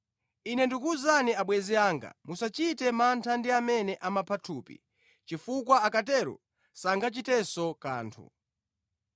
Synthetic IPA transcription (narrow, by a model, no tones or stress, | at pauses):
inɛndikuzaniaɓwɛziaːŋɡa̰musat͡ʃitɛmantʰandiamɛnɛʔamapʰatʰuːpḭ | t͡ʃifukwaakatɛɾɔ̰ | saŋɡat͡ʃitɛsɔka̰ːntʰṵ